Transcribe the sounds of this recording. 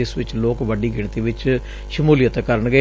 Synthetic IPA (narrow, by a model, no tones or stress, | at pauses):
ɪsʋɪt͡ʃloːkʋəɖiːɡɪɳ̃t̪iːʋɪt͡ʃ | ʃəmuːlɪjət̪kəɾəɳɡə